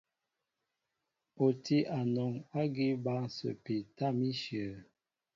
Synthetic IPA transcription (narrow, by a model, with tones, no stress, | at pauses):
o˨ti˦ʔa˨nɔ˨ŋa˦ɡi˦ba˦ŋ˨sə̰˨pi˨ta˦˨mi˦ʃi˨ə˨